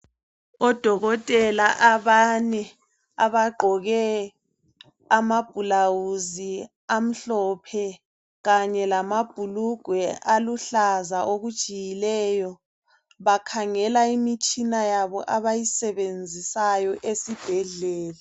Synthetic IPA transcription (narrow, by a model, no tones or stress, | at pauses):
ɔd̥ʱɔɣɔtʼɛlaʔaβanɛ | aβaɡ͡ǃʱɔɣɛ | amab̥ʱulawuzi | am̩ɬɔpʰɛ | ɣaɲɛlamab̥ʱuluɡ̥ʱwɛʔaluɬazaʔoɣu̥t͡ʃʼijilɛːjɔ | βakʰaŋɛlaimit͡ʃʼinajaβɔ̰ʔaβajisɛβend͡zʱisajɔʔesib̥ʱɛɮɛːla